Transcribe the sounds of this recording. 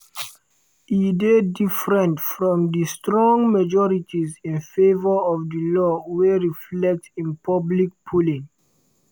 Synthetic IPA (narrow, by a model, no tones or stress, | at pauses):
idedifɹɛ̃ntfɹɔ̃mdistɹɔ̃ŋmad͡ʒɔɹitʰizĩnfevəɔvdəlɔweɹiflɛk̚tĩnpʰʌblik̚pʰulĩŋ